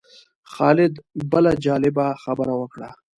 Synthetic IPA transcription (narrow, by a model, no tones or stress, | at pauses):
xɑːlɪd̪bəlad͡ʒɑːlɪbaxabəɾawəkɽa